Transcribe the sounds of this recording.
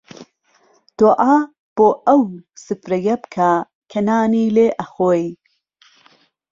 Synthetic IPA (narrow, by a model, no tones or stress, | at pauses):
d̪̥oʔaː | b̥oːʔɐwsɨfɾɐjɐbkʰa | kʰɐnaːniːleːʔɐxoːj